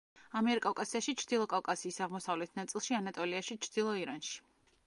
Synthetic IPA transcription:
amɛɾikʼawkʼasiaʃit͡ʃʰɾd̪̥ilˠɔkʼawkʼasiːsaʁmɔsavlɛt̪ʰnat̪sʼilˠʃianat̪ʼɔliaʃit͡ʃʰɾd̪̥ilˠɔiɾanʃi̥

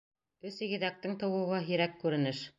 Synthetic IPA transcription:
ɵsiɡɘ̆ðæk̚t̪ɘŋt̪ɤ̆wɤ̆wʁɑɦiɾækːʉɾɘ̆nɘʃ

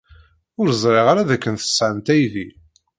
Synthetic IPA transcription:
ʊɾzˤɾeʁaɾaðækːənθə̥sːʕənt̪æjði

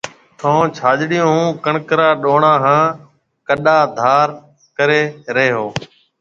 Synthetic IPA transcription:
t̪ʰõːt͡ʃʰaːd͡ʒɗɪjõːɦũːkəɳkɾaːɗoːɳãːɦãː | kəɗaːd̪ʱaːɾ | kəɾeːɾəɦeːɦoː

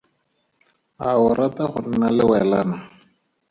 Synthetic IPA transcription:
aʊɾʔat̪aχʊn̩nalɪwɛlaːna

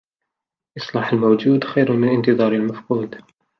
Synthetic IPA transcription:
ʔɨsˤlɑːħalmawd͡ʒuːd̪xajɾʊmɪnʔɪnt̪ɨðˤɑːɾˤalmafquːd̪

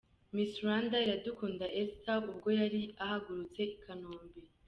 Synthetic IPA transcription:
misɾandaiɾadukuːndaʔestaubɡo̞jaɾiaɦaɡuɾut͡se̞ikʰanoːmbe

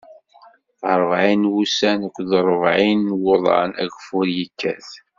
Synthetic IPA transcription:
θəɾˤvʕinwusænækʷːðəɾˤəvʕinwʊðˤɑ̰næ̰ɡfʊɾjikːæ̰θ

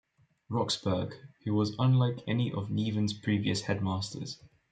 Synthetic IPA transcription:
ɹɒksb̥ɜːɡ̥hʉwɒzə̃nlaɪkʰɛniʔəvniːvə̃nz̥pʰɹ̥iːviəshɛd̚mɑˑstʰə̰z̥

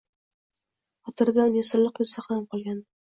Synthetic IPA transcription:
χɒt̪ʰɨɾd̪anjesɪɾlˠɨqjosaχamqʰɒlˠɡʲan

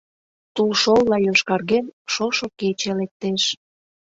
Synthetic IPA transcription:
t̪ulʃolːɑjoʃkɑrɣenʃoʃoket͡ɕelek̚t̪eʃ

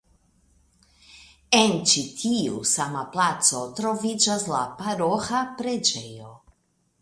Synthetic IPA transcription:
ɛnt͡ʃit̪ʰiusamaplat̪sot̪ɾovid͡ʒazlapaɾoxapɾɛd͡ʒɛjo

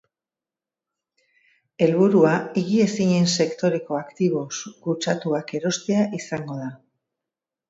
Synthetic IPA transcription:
e̞lβuɾuaiɣie̞siɲe̞nse̞kt̪o̞ɾe̞ko̞akt̪iβo̞sɡut͡ʃat̪uake̞ɾo̞st̪e̞aʔisaŋɡo̞ð̞a

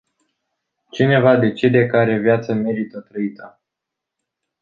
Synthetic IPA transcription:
t͡ʃine̞vad̪e̞t͡ʃed̪e̞kaɾe̞vjat̪səme̞ɾit̪ət̪ɾəit̪ə

